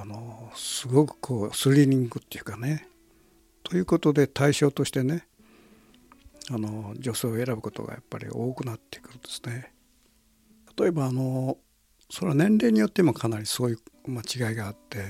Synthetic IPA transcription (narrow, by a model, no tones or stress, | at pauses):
ano̞sɨɡo̞kɯ̟̥kʰo̞ːsɨɾʲiɲ̟ĩŋɡɯt̪ːo̞jɯ̟kane̞ | t̪ʰo̞jɯ̟ːko̞t̪o̞d̪e̞t̪aiɕo̞ːt̪o̞ɕi̥t̪e̞ne̞ | ano̞d͡ʑo̞se̞ːoe̞ɾabɯ̟ko̞t̪o̰ɡa̰ja̰pːa̰ɾʲḭo̞ːkɯ̟nat̪ːe̞̥i̥kɯ̥t̪od̪̥e̞̥sɨ̥ne̞ | t̪ḁt̪o̞e̞baːno̞ | so̞ɾenẽ̞nɾe̞ːɲ̟ijo̞t̪ːemokʰanaɾʲiso̞ːjɯ̟ːmat͡ɕiɡaiɡaːt̪ːe̞